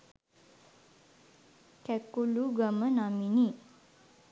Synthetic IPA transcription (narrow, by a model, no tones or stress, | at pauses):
kɛkuluɡamənamini